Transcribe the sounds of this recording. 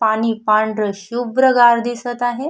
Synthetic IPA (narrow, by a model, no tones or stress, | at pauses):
paɽ̃iːpaɳɖɾəɕubɾəɡaɾd̪isət̪aɦe